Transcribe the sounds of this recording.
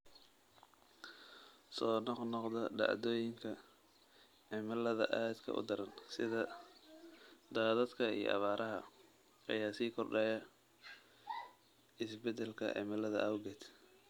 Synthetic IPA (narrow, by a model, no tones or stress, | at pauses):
sɔːnɔqnɔqd̪ɐɖɑ̰ʕd̪ɔːjɪŋkʰɐ | ɛmɐlɐðɐ̰ʔaːd̪kʰɐ̰ʔʊ̰d̪ɐɾɐnsɪðɐ | d̪aːðɐd̪kʰɐḭjɔ̰ʔɑ̰βaːɾʔɐɦɐ̰ | ɐ̰jaːsiːkʰɔrɖɛːjɐ | ɪsbɛd̪ɛlkʰɐ̰ʔɛ̰mɐlɐðɐʔaːwʊɡɛːd̪